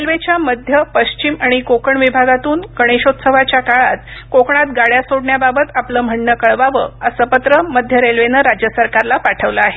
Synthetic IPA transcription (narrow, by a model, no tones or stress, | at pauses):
ɾelʋet͡ɕjaməd̪ʱjəpəɕt͡ɕimaɽ̃ikokəɳʋibʱaɡat̪uːnkəɽ̃eɕot̪səʋat͡ɕjakaɭat̪kokɳat̪ɡaɭjasoɽɳjababət̪apləːm̤əɳːəkəɭʋaʋə̰ːəsəpət̪ɾəməd̪ʱjəɾelʋenəɾad͡ʑjəsəɾkaɾlapaʈʰəʋləaɦe